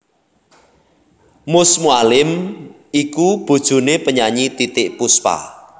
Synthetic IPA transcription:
mʊsmualɪm | ikub̥o̤d̥ʒ̥ṳnepəɲaɲit̪it̪ɪʔpuspa̰

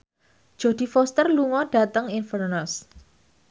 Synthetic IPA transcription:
d̥ʒ̥o̤d̪̥i̤fɔst̪ərluŋɔɖ̥a̤t̪əŋɪnfərnəs

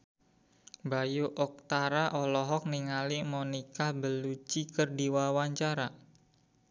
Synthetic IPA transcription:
bajuʔɔk̚t̪aɾaʔɔlɔɦɔk̚niŋalimonikabəlut͡ʃikərdiwawaɲt͡ʃaɾa

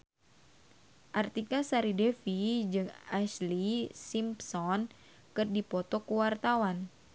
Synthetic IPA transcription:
ʔart̪ikasaɾidefid͡ʒɨŋaslisimpsɔn | kɨrdipɔt̪ɔkuwart̪awan

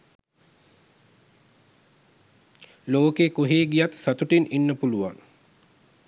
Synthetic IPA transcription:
loːkekoɦeːɡijat̪sat̪uʈininːəpuluʋa̰ŋ

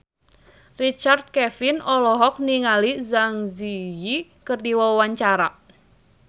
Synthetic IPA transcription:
rit͡ʃart̪̚kɛfinɔlɔɦɔk̚niŋalizaŋzijikɨrdiwawaɲt͡ʃaɾa

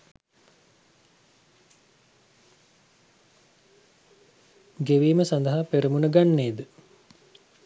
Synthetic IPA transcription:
ɡeʋiːməsand̪əɦapeɾəmunəɡanːeːd̪ə

